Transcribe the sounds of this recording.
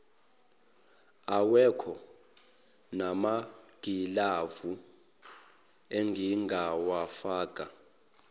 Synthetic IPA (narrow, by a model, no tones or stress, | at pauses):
awɛkʰɔ | namaɡ̥ʱilavu | eŋɡʱiŋɡʱawafaːkʼa